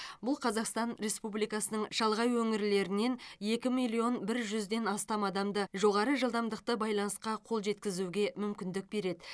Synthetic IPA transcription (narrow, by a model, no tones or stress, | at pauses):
bʊlˠqʰɑzɑqst̪ɑnɾe̞spublijkɑsənəɴʃɑlˠʁɑjwɵŋɪɾle̞ɾɪne̞nje̞kʲɪmijlʲˠio̞nbɪɾʒʏzd̪e̞nɑst̪ɑmɑd̪ɑmd̪əʒo̞ʁɑɾəʒəlˠd̪ɑmd̪əq̚t̪əbɑjlˠɑnəsqɑqʰo̞lˠʒe̞t̪kʲɪzuɡʲe̞mʏmkʲɪnd̪ɪk̚be̞ɾe̞d̪ɪ